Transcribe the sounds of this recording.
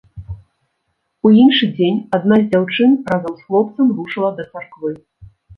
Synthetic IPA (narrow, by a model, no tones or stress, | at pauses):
uinʂɨd͡zʲenʲad̪nazʲd͡zʲawt͡ʂɨnɾazɐmsxlˠɔp̚t̪sɐmɾuʂɨlˠɐd̪ɐt̪sarkvɨ